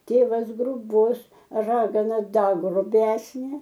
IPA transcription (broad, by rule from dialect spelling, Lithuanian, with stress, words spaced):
ˈtʲeːʋɐs ɡrʊˈbʊs ˈrɑːɡɐnɐ ˈdɐ ɡrʊˈbʲæːsʲnʲeː